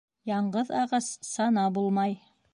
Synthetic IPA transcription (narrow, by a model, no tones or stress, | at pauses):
jɑɴɢɤðɑʁɑssɑnɑbulˠmɑj